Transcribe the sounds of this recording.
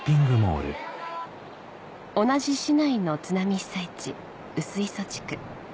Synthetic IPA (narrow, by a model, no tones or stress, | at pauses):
pʲĩŋɡɯ̟mo̰ːɾɯ̟̰ | o̞naʑiɕinaino̞t͡sɨnamʲisait͡ɕi | ɯ̟sɨiso̞t͡ɕi̥kɯ̟̥